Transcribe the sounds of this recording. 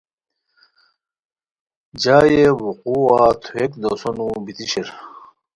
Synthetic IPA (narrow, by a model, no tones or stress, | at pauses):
d͡ʑaːjewuquat̪ʰuekd̪osonubit̪iɕeɾ